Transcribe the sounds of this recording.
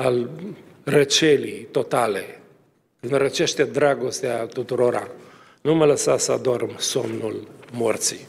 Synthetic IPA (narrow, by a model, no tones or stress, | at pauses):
al | rət͡ʃelit̪o̞t̪ale | kɨnɾət͡ʃe̞ʃt̪ed̪ɾaɡo̞st̪eat̪ut̪uɾo̞ɾʔa̰ | numələsasəad̪ormsomnulmort̪sḭ